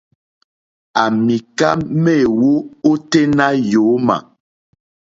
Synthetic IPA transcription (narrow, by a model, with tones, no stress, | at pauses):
a˨mi˨ka̰˦me˦˨wo˦o˦te˦na˦jo˨˦ma̰˨